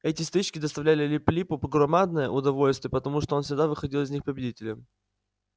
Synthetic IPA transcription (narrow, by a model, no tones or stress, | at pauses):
ɛtʲɪst̪ɨt͡ɕkʲɪd̪əst̪ɐvlʲælʲɪlʲɪplʲipʊpɡrɐmad̪nəjə̰ʔʊd̪ɐvo̞lʲst̪vʲɪjəpət̪ɐmuʂt̪oonsʲɪɡd̪avɨxɐdʲilˠɪzʲnʲixpəbʲɪdʲitʲɪlʲɪm